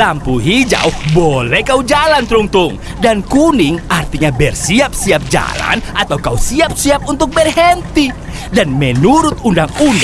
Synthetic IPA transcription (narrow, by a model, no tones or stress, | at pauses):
lampuɦid͡ʒa̰wbolɛhkaud͡ʒalant̪ɾuŋt̪ʊŋ | dankunɪŋart̪iɲabɛrsiap̚siap̚d͡ʒa̰la̰nat̪awkausiap̚siap̚unt̪ʊk̚bɛrɦɛnt̪i | danmɛnuɾʊt̪undaŋund